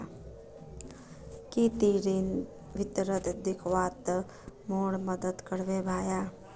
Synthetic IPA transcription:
kit̪iːɾin | ʋɪt̪ɾət̪d̪ɪkʰʋaːt̪ | moːɽməd̪əd̪kəɽʋebʱaːjaː

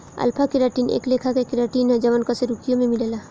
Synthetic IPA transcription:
ɐ̰lpʰakɪɾaːʈiːnḛːkleːkʰakekɪɾaːʈiːnɦɛd͡ʒɐʋənkəseɾukijõmẽmɪleːlaː

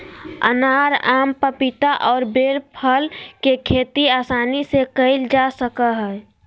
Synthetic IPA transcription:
ə̰naːɾaːmpəpɪt̪aʔɔːɾbeːɾpʰəlkekʰeːt̪iaːsaːnisekəɪld͡ʒasəkaɦɛ

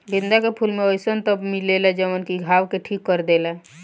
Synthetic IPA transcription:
lĩnd̪akepʰulmeojsənt̪əbmilelɛd͡ʒəmənkiɡʱawkeʈʰikːəɾd̪elɛ

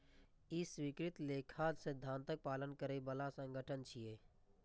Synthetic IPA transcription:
iswiːkɾɪt̪lekʰaːd͡ʒsed̪ʱãːnt̪ək̚paːlənkəɾebəlasə̃ŋɡʱəʈʰənt͡ʃʰieː

